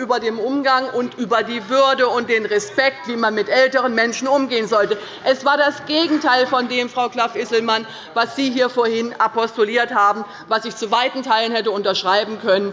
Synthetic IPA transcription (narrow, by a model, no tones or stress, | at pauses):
ʔyːbɐdeːmʔʊmɡaŋʔʊntʔyːbɐdiːvʏɐdəʊnt̚d̥eːnʁɛspɛk̚tv̥iːmanmɪtʔɛltəʁənmɛnʃn̩ʊmɡeːənzɔltə | ʔɛsv̥aːɐdasɡ̥eːɡŋ̩tʰaɪlfɔndeːmfʁ̥aʊkl̥afʔɪsl̩man | vasz̥iːɦiːɐfoːɐhɪnapɔstoliːɐthaːbm̩ | vasɪçt͡suvaɪtn̩tʰaɪlənhɛtəʊntɐʃʁ̥aɪbm̩kʰœnən